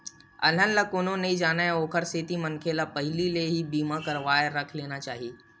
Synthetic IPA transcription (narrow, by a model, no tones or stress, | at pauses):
ɐ̰lɦə̃nləkʊn̤õneɦid͡ʒaːnaɦeoːkʰəɾseːt̪imɐ̃ŋkʰeːlapɐɦlileɦibiːmakɐɾʋaːeɾɐkʰleːnat͡ʃaːɦieː